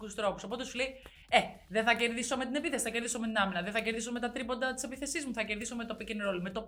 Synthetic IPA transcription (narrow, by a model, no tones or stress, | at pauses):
kust̪ɾo̞puso̞po̞t̪e̞sulei | eðeθɐce̞ɾðiso̞me̞t̪ine̞piθe̞si̥θɐce̞ɾðiso̞met̪inɐminɐðeθɐceɾðiso̞me̞t̪ɐt̪ɾipond̪ɐt̪i̥se̞piθe̞sizmuθɐce̞ɾðiso̞me̞t̪opicenɾolimet̪o̞